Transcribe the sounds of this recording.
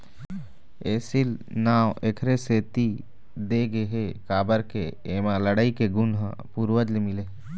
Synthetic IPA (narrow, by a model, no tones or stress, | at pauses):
eːsil | naːwekʰɾeseːt̪i | d̪eɡeɦekaːbəɾkeeːmãləɽaːikeɡʊnɦpuɾwəd͡ʒlemɪle